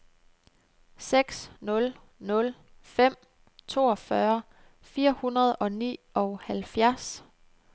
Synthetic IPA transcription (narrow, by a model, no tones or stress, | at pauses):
seɡ̥snɔ̽l | nɔ̽l | fem̰ | t͡sʰo̝ːɒ̽fɶɐ | fiːɐhunɐð̞ˠɒ̽nḭːɒ̽ʊhælfjæɐs